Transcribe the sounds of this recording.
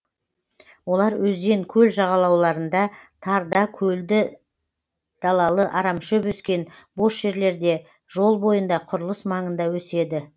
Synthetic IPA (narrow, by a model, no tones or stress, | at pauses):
wo̞lˠɑɾwɵzd̪e̞ŋkʲʰɵlʒɑʁɑlˠɑwlˠɑɾənd̪ɑt̪ʰɑɾd̪ɑkʲʰɵld̪ɪ | d̪̥ɑlˠɑlˠəʔɑɾɑmʃɵpɵskʲe̞n | bo̞sʒ̥e̞ɾle̞ɾd̪e̞ | ʒo̞lˠbo̞jənd̪ɑqʰʊɾəlˠəsmɑɴənd̪ɑwɵse̞d̪ɪ